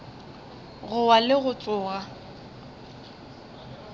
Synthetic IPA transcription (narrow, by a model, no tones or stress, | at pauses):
ɣʊwalɪɣʊt͡sʼʊːɣa